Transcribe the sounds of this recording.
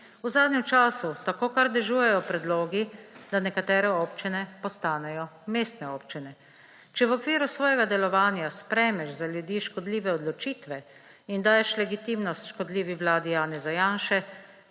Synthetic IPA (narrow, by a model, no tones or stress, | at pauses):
uzaːd̪nɛmt͡ʃaːsut̪akoːkaɾd̪ɛʒuːjɛjɔpɾɛd̪loːɡid̪anɛkat̪ɛːɾɛɔːpt͡ʃinɛpɔst̪aːnɛjɔmeːst̪nɛoːpt͡ʃinɛ | t͡ʃɛʋɔkʋiːɾusʋɔːjɛɡad̪ɛlɔʋaːnjaspɾɛjmɛʃzaljud̪iːʃkɔd̪liːʋɛɔd̪lɔt͡ʃiːt̪ʋɛ | ind̪aːjɛʃlɛɡit̪iːmnɔst̪ʃkɔd̪liːʋiʋlaːd̪ijaːnɛzajaːnʃɛ